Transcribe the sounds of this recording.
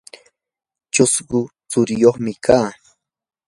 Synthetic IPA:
t͡ʃʊsɢʊt͡sʊɾɪjoχmɪkʰaː

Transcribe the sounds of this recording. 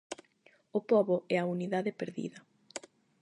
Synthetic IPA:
ʊpɔβʊɛɐuniðaðɪpeɾðḭðɐ

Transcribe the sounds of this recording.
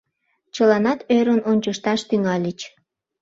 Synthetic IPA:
t͡ɕəlɑnɑt̪øɾənonʲt͡ɕəʃt̪ɑʃt̪yŋɑlʲit͡ɕ

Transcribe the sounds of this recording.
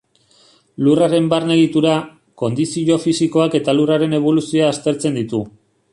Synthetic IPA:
luraɾe̞mbarneðit̪uɾa | ko̞nd̪isio̞fisiko̞ake̞t̪aluraɾe̞ne̞β̞o̞lusioaːst̪e̞ɾt͡se̞nd̪it̪u

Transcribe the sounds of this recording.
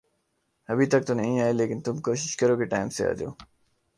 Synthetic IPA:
ɐbʱit̪ɐk̚t̪onɐɦĩaːeleːkɪnt̪ʊmkoːʃɪ̥ʃkɐɾoːkeʈaːɪmsea̰ːd̪jo̰ː

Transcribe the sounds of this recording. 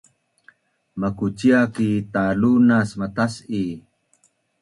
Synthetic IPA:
makut͡ɕiakit̪alunasmat̪asi

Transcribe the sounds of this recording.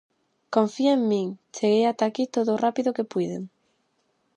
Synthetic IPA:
kõɱfiaeŋmĩŋt͡ʃeɣejat̪akit̪oðorapiðʊkepujðḛŋ

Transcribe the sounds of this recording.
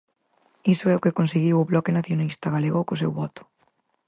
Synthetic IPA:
isʊɛʊkekonseɣiwʊβlɔkenaθjonist̪aɣaleɣokʊsewβɔt̪ʊ̥

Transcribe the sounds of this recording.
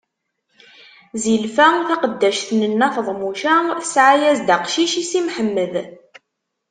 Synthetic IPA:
zilfæθæqəd̪ːæʃθnənːæfəðˤmuʃæsʕajæzd̪aqʃiʃisimħəmːəð

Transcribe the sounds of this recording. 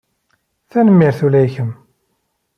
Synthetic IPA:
θænəmːiɾθulæjçəm

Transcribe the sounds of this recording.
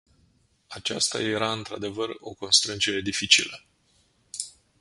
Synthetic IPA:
at͡ʃa̰st̪a̰je̞ɾaɨnt̪ɾa̰d̪e̞vəro̞̰ko̞nst̪ɾɨnd͡ʒe̞ɾe̞d̪ifit͡ʃḭlə

